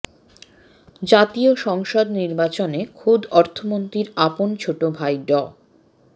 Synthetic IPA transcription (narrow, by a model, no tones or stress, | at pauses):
d͡ʑat̪ioʃɔŋʃod̪niɾbat͡ɕonekʰud̪ɔɾt̪ʰomont̪ɾiɾapont͡ɕʰoʈobʱajɖɔ